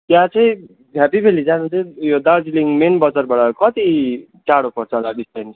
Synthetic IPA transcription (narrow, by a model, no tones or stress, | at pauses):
t̪jãt͡sʌĩ | pʰapibʰʱelid͡zanut͡sʌĩjod̪aɾd͡ziliŋmenbʌd͡zʌrbaʈʌkʌt̪i | t͡saɽopʌrt͡sʰʌʌlaɡistensʰ